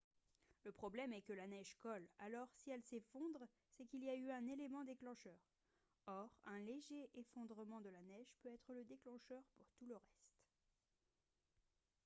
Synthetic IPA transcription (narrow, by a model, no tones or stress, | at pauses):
ləpχɔblɛmɛkəlanɛʒkɔlalɔʁsiɛlsefɔ̃d̪ʁ | sɛkiliayɛ̃nelemɑ̃d̪eklɑ̃ʃœʁ | ɔʁɛ̃leʒeʔefɔ̃d̪ʁəmɑ̃d̪əlanɛʒpøɛt̪χələd̪eklɑ̃ʃœʁpuʁt̪uləʁɛst̪